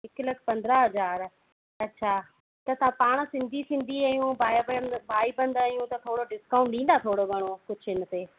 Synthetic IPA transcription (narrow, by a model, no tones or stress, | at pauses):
ɪklɐkʰpɐ̃nd̪ɾaɦɐzaːɾ | ɐtːʃʰaː | t̪ɐt̪ɐãpaːɽ̃sɪ̃nd̪ʱisɪ̃nd̪ʱiaːjũbʱaːjbbʱaːibɐ̃nd̪aːjũt̪ɐt̪ʰoːɽoɖɪskaːʊ̃ɳʈɗĩːn̆d̪at̪ʰoːɽoɡʱɐɽ̃okʊd͡ʑʱɪnət̪eː